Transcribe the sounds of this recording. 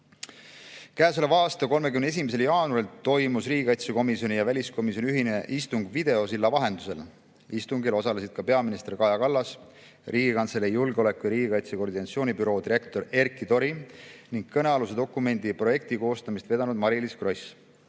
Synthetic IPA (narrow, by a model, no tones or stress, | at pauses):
kæːs̬ulevɑːst̪ɑko̞lmekymne̞s̬imes̬e̞ljɑːnuɾilt̪o̞jmusriːɡʲikɑjt̪seko̞misio̞nʲijɑvælʲisko̞mis̬jo̞nʲyɦineʔist̪uŋɡ̥vid̪̥e̞o̞s̬ilːɑvɑɦe̞nd̪̥u̥se̞̰l | ist̪uŋɡilo̞sɑle̞sid̪̥kɑpe̞ɑminist̪e̞rkɑjɑkɑlːɑs | riːɡ̥ikɑnt̪selejːulɡeo̞le̞kːˑujɑɾiːɡikɑjt̪seko̞rd̪inɑt̪sioːnʲibyɾo̞ːd̪iɾe̞kt̪o̞ɾe̞rkːˑit̪o̞ɾiniŋɡ̚kːɤneɑlused̪o̞kːˑume̞nd̪̥ipro̞je̞k̚t̪iko̞ːst̪ɑmist̪ve̞d̪̥ɑnud̪̚mɑɾiliskro̞js